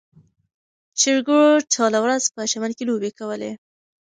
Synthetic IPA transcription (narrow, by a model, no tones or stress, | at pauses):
t͡ʃɪʐɡuɻoʈ͡ʂʰɑlawɾazpəʃaməlkelobekawəlḛ